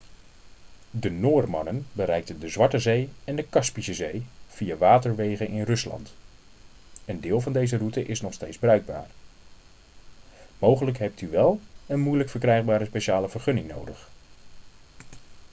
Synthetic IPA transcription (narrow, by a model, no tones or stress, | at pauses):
dənoːrmɑ̰nənbəɾɛjk̚təndəzʋɑɹtəzejɛndəkɑspisəzejv̥ijaʋaːtəɹʋejχənɪnrɵslɑ̰nt | əndɪːlˠvɑndejzərutəʔɪsnɔχstejdzbərœɥɡ̚ba̰ːɹ | mowχələkɦɛp̚tyʋɛlˠənmujləkfəɹkrɛjχbaːɾəspeʃaːləvəɹχɵnɪŋno̰wdəχ